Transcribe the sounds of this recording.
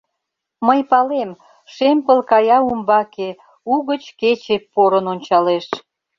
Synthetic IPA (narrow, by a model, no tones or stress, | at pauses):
məjpɑlem | ʃempəlkɑjɑumbɑke | uɣət͡ɕket͡ɕepːoɾənonʲt͡ɕɑleʃ